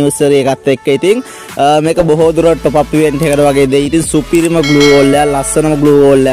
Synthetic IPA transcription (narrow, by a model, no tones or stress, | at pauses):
usəɾiekat̪ːekːəit̪iŋ | meːkəboɦod̪uɾəʈːopapːiʋeɳʈiekəʈəʋaɡeːd̪eit̪iŋsupiɾiməɡluːʋoːlːejalasənəməɡluːʋoːlːeja